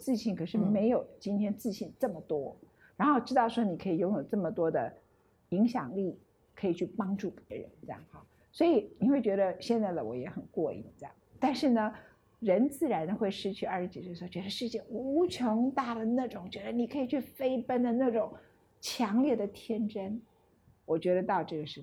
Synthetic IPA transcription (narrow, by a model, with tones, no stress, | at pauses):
t͡sɹ̩˥˧ɕi˥˩nkʰɤ˨˩ʂɻ̩˥˩me˧˥ɪjo˨˩ʊt͡ɕi˥nt̪ʰjɛ˥nt͡sɹ̩˥˧ɕi˥˩nʈ͡ʂɤ˥˩mə˩t̪wɔ˥ | ɻa˧˥nxo˥˩ʊʈ͡ʂɻ̩˥t̪ɑ˥˩ʊʂwɔ˥ni˨˩kʰɤ˧˥i˨˩jʊ˥˩ŋjo˨˩ʊʈ͡ʂɤ˥˩mə˩t̪wɔ˥d̪ə̰˨ | i˧˥ŋɕjɑ̰˨˩ŋli˥˩ | kʰɤ˧˥i˨˩t͡ɕʰy˥˩pɑ˥ŋʈ͡ʂu˥˩pjɛ˧˥ɻə̰˧˥˦nʈ͡ʂe˥˧jɑ̰˥˩ŋxɑ˥˩ | swɔ˧˥i˨˩ni˨˩xwe˥˩ɪt͡ɕɥɛ˧˥d̪ə˧ɕjɛ˥˧nt͡sa˥˩ɪd̪ə˩wɔ̰˨˥jɛ˧˥xə˨˩nkwɔ˥˧ḭ˥˩nt͡sjɑ̰˥˩t̪a˥˧nʂɻ̩˥˩nə˩ | ɻə˧˥nt͡sɹ̩˥˩ɻa˧˥nd̪ə˧xwe˥˧ɪʂɻ̩˥t͡ɕʰy˥˧ɐ˞˥˧ʂɻ̩˥t͡ɕi˨˩se˥˧˩t͡ɕɥɛ˧˥d̪ə˧ʂɻ̩˥˧t͡ɕjɛ˥˩u˧˥˧ʈ͡ʂʰʊ˧˥ŋt̪a˥˩d̪ə˩na˥˩ʈ͡ʂʊ˨˩ŋt͡ɕɥɛ˧˥d̪ə˧ni˨˩kʰɤ˧˥i˨˩t͡ɕʰy˥˩fe˥ɪpə˥nd̪ə˨na˥˩ʈ͡ʂʊ˨˩˦ŋ | t͡ɕʰjɑ˧˥ŋljɛ˥˩d̪ə˩t̪ʰjɛ˥nʈ͡ʂə˥n | wɔ˨˩t͡ɕɥɛ˧˥ɾə˧t̪ɑ˥˧ʊʈ͡ʂɤ˥˩ɡə˩ʂɻ̩˧˥